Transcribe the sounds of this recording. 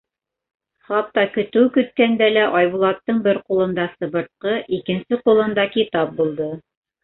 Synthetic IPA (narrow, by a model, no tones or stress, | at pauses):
χɑp̚t̪ːɑkɵ̆t̪ʉwkɵ̆t̪̚kænd̪ælæʔɑjβulˠɑt̪ːɤɴbɘɾqulˠɤ̆nd̪ɑsɤ̆βɤ̆ɾt̪̚qɤʔikɘ̆nsɘqulˠɤ̆nd̪ɑkit̪ɑp̚bulˠd̪ɤ